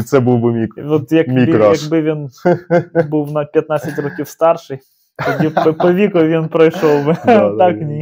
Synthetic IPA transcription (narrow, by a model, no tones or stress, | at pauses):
t̪sɛbuwbɨmʲikɔt̪jɐkmʲijɐɡbɪʋʲin | buwnɐpʲjɐt̪nat͡sʲɐtʲrɔkʲifst̪ɑrʃɨj | ɔbʲipɔpɔʋʲikʊʋʲinpɾɐjʃɔlˠbɪt̪aknʲi